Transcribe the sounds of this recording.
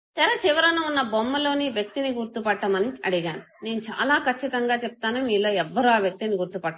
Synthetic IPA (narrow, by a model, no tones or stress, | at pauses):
t̪ɛɾɐt͡ʃiʋɐɾɐnɐunːɐbomːɐlo̞ːniʋjɐk̚t̪iniɡuɾt̪upɐʈːɐmɐniɐɽiɡaːnune̞ːnut͡ʃa̰ːlaːkɐt͡ʃːit̪ɐŋɡaːt͡ʃep̚t̪aːnumiːlo̞ːɛʋːɐɾuːaːʋjɐk̚t̪iniɡuɾt̪upɐʈːa